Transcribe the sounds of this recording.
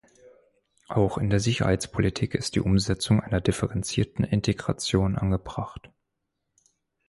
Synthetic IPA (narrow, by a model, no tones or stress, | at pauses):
ʔaʊxɪndeːɐzɪçɐ̰ha̰ɪt͡spʰolitʰiːkɪstd̥ḭːʔʊmzɛt͡sʊŋʔaɪnɐdɪfɛʁɛnt͡siːɐtn̩ʔɪntʰeɡʁa̰t͡sjoːnʔa̰nɡəbʁ̥aχt